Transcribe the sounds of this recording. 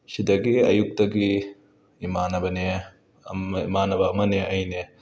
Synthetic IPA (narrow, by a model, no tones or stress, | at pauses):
sidɐɡiɐjuk̚tɐɡi | imanɐbɐne | imanɐbɐːmɐneʔɐjne